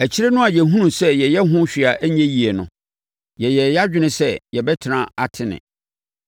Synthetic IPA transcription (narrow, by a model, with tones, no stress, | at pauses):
æ˨t͡ɕʰi˦ɾɛ˦nʊ̃˦a˨jɛ˨ɦũ˦nũ˨sɛ˦jɛ˨jɛ˦ɦʊ̃˦ɕᶣi˨a˨ʔæ˦ɲɛ̃˦ji˨ɛ˨nʊ̃˨ | jɛ˨jɛ˨ja˦d͡ʑᶣɪ˦nɪ̃˦sɛ˦jɛ˨bɛ˦tʰɪ˨nã˦a˨tʰɪ˦nɪ̰̃˨